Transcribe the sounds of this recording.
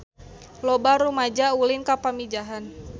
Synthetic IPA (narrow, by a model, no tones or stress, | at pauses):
lɔbaɾumad͡ʒaulɪnkapamid͡ʒaɦan